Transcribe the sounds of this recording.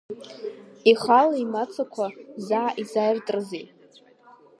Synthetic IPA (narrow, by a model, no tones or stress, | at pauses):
iχalaimat͡sʰakʷʰazaʕʔizajrtʼrzi